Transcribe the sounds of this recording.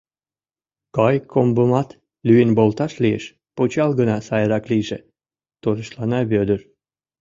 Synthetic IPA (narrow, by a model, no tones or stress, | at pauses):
kɑjkʰombəmɑt̪ | lyjenbolt̪ɑʃliḛʃ | pot͡ɕɑlɣənɑsɑjəɾɑkliʒḛ | t̪oɾəʃlɑnɑβød̪ər